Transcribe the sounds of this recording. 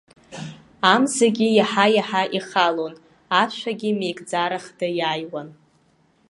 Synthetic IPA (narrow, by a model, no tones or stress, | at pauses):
amzaɡʲijaħajaħaʔiχalon | aʃʷᶣaɡʲimejkʼd͡zaɾaχdɨjajwan